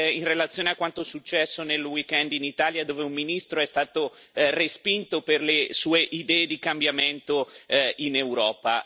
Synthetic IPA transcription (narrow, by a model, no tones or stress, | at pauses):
inrelat̪sːjoːneakːwant̪osut͡ʃːɛsːonelwikɛnd̪init̪aːljad̪oːveumːinist̪ɾoɛst̪aːt̪o | respint̪operlesuːeʔid̪ɛːed̪ikambjament̪oinewɾɔːpa